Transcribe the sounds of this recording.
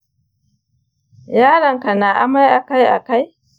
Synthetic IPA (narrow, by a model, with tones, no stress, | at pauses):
jaː˦ɽɐ˨ŋka˨naː˨ʔa˦ma˦jʔa˨ka˦jʔa̰˨ka˦j